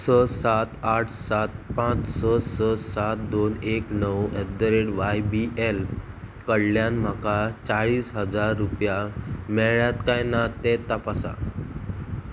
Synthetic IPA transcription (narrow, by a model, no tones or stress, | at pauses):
sɔsat̪aʈʰsat̪̚pãt͡ssɔsɔsat̪d̪oneknəwɛd̪əɾeɽʋajbiʔel | kəɽljanm̤akat͡saɭiːsɦəd͡zaɾːupjamɛɭɭjat̪kãjnat̪et̪əpasa̰